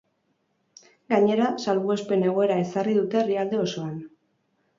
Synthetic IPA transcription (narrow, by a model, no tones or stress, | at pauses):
ɡaɲe̞ɾasalβue̞spe̞ne̞ɣ̞o̞e̞ɾae̞sariðut̪e̞riald̪e̞o̞so̞an